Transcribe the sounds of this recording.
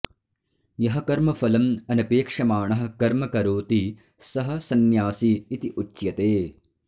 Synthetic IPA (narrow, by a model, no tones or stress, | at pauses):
jɐɦɐ̆kɐɾmɐfɐlɐmɐnɐpeːkʂɐmaːɳɐɦɐ̆kɐɾmɐkɐɾoːt̪i | sɐɦɐ̆sɐnjaːsiːt̪iʔut͡ʃːʃjɐt̪eː